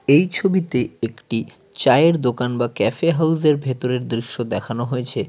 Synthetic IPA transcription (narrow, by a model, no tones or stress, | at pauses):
ejt͡ɕʰobit̪eekʈi | t͡ɕaeeɾd̪okanbakɛfeɦawzeɾbʱet̪oɾeɾd̪ɾiʃːod̪ɛkʰanoɦojet͡ɕʰe